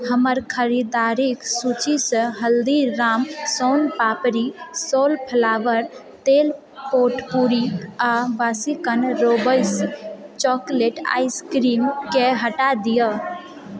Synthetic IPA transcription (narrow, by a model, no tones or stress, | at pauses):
ɦəməɾkʰəɾid̪aɾiksut͡ʃisəɦəld̪iɾamsɔnpapɾisolpʰəlaʋəɾ | t̪el | poʈpuɾiabasikənɾobəjst͡ʃɔkleʈa̰jskɾimkeɦəʈad̪ijə